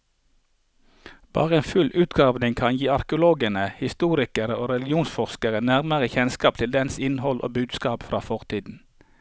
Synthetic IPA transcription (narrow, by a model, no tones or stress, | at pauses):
b̥ɑ̰ːʁəeːnfʉlʔʉːt̪ɡɑːʋnɪŋkʰɑnjiːɑɾkəʊloːɡənəhɪst̪uːɾɪkəɾəoːɾɛlɡɪuːnsfɔʁskəʁənæʁməʁəçɛnskɑːp̚t̪ʰɪld̪ɛnsɪnhɔlʔo̰ːbʉːd̪skɑːpfɾɑːfɔʁt̪ʰiːd̪n̩